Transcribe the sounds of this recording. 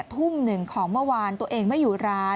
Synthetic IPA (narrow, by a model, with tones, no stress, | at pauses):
t̪ʰu˥˩mnɯ˨˩ŋkʰɔː˩˦ŋmɯ˥˩waː˧nt̪u˧ɐʔeː˧ŋma˥˩jːuː˨˩ɾaː˧˥